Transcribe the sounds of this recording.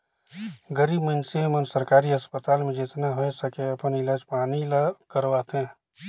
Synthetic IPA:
ɡəɾiːbmənsemənsəɾkaːɾiɐspət̪aːlmẽd͡ʒɪt̪naɦoesəkeɐpənɪlaːd͡ʒpaːnilakəɾʋaːt̪ɦɛ̃ː

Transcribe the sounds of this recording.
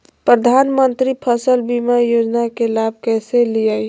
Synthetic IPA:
pɾəd̪ʱanmənt̪ɾipʰəsəlbimajod͡ʒnakelab̚ʱkɛselijaj

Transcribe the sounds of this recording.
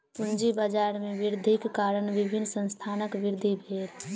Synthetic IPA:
pund͡ʒibad͡ʒaːɾmẽʋɪɾd̪ʱikːaːɾənʋibʱinːsə̃nst̪ʰaːnəkʋɪɾd̪ʱibʱeːɾ

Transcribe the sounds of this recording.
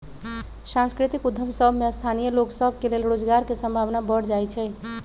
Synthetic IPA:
sãnskɾit̪ikud̪ʱːəmsəbʱmeəst̪ʰanijəloksəbʱkelelɾod͡ʒɡaɾkesə̃mbʱaʋnabəɽd͡ʒajt͡ʃʰɛ

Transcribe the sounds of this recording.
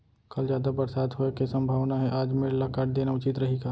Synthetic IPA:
kɐld͡ʒjaːd̪abɐɾsaːd̪ɦoekesɐ̃mbʱaːʋnaɦɛ̃ʔaːd͡ʒmeɽlakaːʈ̚d̪eːnaʊt͡ʃɪt̪ɾɐɦiɡaː

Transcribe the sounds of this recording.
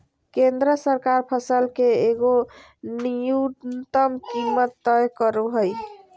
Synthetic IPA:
kend̪ɾəsəɾkaɾpʰəsəlkeeɡo | nijut̪əmkimːət̪ːəjkəɾuɦəj

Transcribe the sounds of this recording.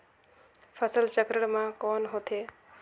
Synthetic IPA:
pʰəsəlt͡ʃəkɾəɽmãkɔːnɦot̪ʰeː

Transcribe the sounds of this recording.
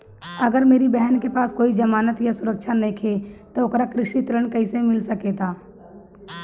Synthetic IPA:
ɐɡəɾmeːɾibɛɦənkepaːskoːid͡ʒɐmaːnət̪jasʊɾəkʃʰanẽkʰet̪oʊkɾakɾɪʃit̪ɾəɳ̃kɐisemɪlsɐket̪ʰaː

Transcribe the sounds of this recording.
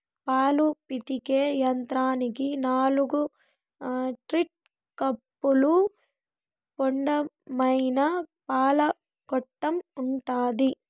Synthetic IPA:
paːlupit̪ikejɐnt̪ɾaːnikinaːluɡu | ʈɾiʈ̚ | kɐpːulu | kɔɳɖɐmɐjnɐpaːlɐ | kɔʈːɐmuɳʈaːd̪i

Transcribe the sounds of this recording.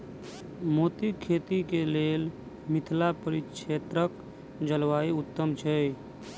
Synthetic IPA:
mot̪ikʰet̪ikelel | mit̪ʰlapəɾit͡ʃʰet̪ɾək | d͡ʒəlʋaeut̪ːəmt͡ʃʰɛ

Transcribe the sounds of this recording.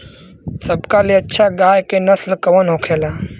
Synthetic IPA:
səbkaleɐtːʃʰaɡaːjkenɐslkɐʋənɦoːkʰeːlaː

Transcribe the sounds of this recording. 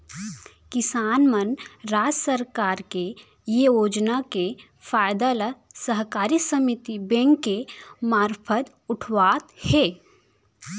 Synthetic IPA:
kɪsaːnmənɾaːd͡ʒsəɾkaːɾke | jejoːd͡ʒnake | faːjd̪aləsəɦkaːɾisəmit̪ibẽːŋkːemaːɾpʰət̪ | ʊʈʰʋaːt̪hɛː

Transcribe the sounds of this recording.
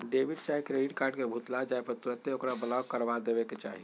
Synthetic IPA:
ɖeʋiɖt͡ʃaɦikɾeɖiʈkaːɾɖkebʱut̪lad͡ʒaepəɾt̪uɾət̪jeokɾabəlawkəɾʋad̪ebeket͡ʃa̰ːɦi

